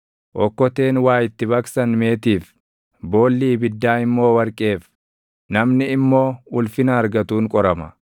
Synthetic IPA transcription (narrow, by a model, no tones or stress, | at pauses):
ʔɔkːɔt̪e̞ːnwaːjɪt̪ːɪβɐksɐnme̞ːt̪iːf | bo̞ːlːiːbɪd̪ːaːɪmːo̞ːwɐɾkʼe̞ːf | nɐmnɪːmːo̞ːʊlfɪnɐːɾɡɐt̪uːŋkʼɔɾɐmɐ